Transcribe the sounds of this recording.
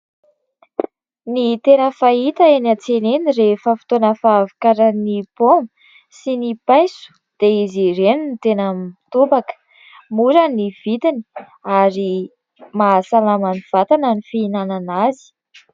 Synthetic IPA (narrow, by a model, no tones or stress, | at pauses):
nit̪enəfait̪əenat͡senenirefəfi̥t̪onəfavikaɾənibomə̥ | sinipajsu̥ | d̪̥eiziɾeninit̪enəmt̪ubakə̥ | muɾaniv̥it̪ini | aɾi | masalamaniv̥at̪ananifiinananazi̥